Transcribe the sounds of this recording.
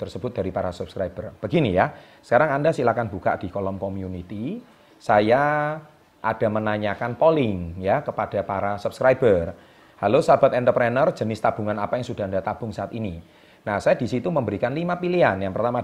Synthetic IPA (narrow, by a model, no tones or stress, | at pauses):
t̪ərsəb̥ʊt̪̚d̥aɾipaɾasub̥skɾaib̥ərb̥ə̤ɡinija | sə̥kaɾaŋandasilakanb̥uka̰ʔd̥i̤kolɔmkɔmiunit̪i | saja | ʔad̥a̤mənaɲakanpolɪŋjakəpad̥a̤paɾasub̥skɾaibər | halosab̥a̤t̪̚ɛnt̪əpɾɛnərd͡ʒ̥ənɪst̪ab̥uŋanapajaŋsuda̤ndat̪ab̥ʊŋsaʔat̪ini | nahsajadisit̪uməmbəɾikanlimapilianjaŋpərt̪ama